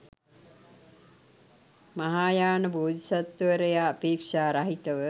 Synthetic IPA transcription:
mɐɦaːjaːnɐboːd̪isɐt̪ʋəɾɐjaːpeːkʂaːɾaɦit̪ɐʋə

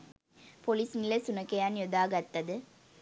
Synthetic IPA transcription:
pɔliːsnɪlɐsʊnɐkːɐjaːnjɔd̪aːɣɐt̪ːɐðɯ

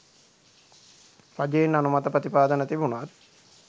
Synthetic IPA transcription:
ɾad͡ʒejenːanumat̪əpɾət̪ipaːd̪ənət̪ibunʋat̪

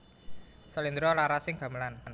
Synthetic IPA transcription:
sɔlind̪ɾɔlaɾasɪŋɡ̥a̤məlann

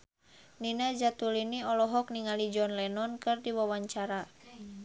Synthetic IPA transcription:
ninad͡ʒat̪uliniɔlɔɦɔk̚niŋalid͡ʒɔnlɛnɔnkɨrdiwawaɲt͡ʃaɾa

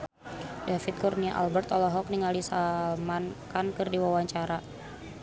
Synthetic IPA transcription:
dafit̪̚kurniaʔa̰lbɛrt̪ɔlɔɦɔk̚niŋalisamankankɨrdiwawaɲt͡ʃaɾa

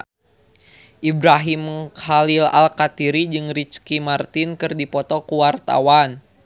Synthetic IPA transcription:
ʔibɾaɦimkhalila̰lkat̪iɾid͡ʒɨŋɾit͡ʃkimart̪inkɨrdipɔt̪ɔkuwart̪a̰wan

